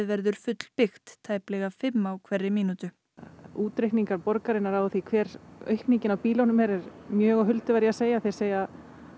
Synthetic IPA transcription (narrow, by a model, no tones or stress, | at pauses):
vɛɾðʏɾ̥fʏt̪l̥pɪxt̪ʰːaːjplɛɣafɪmːawkʰvɛrːɪmiːnut̪ʏ | uːt̪ɾejhkniŋkaɾpɔɾkaɾɪnːaɾawθikʰvɛːɾœ̰ɥhkniɲcɪnawpiːlownʏmɛɾɛɾmjœːɣaɦʏlt̪ɪvajɾjɪaseːjaθe̥seːja